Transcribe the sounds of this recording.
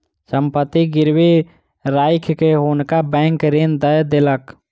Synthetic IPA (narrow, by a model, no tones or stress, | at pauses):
səmpət̪ːiɡɪɾwi | ɾaːɪkʰkeɦʊnkabɛ̃ːŋkɾend̪əjd̪elək